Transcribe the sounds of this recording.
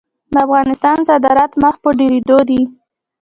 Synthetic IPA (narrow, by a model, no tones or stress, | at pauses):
d̪əafɣɑnɪst̪ɑnsad̪ɑɾat̪məxpəɖeɾed̪od̪i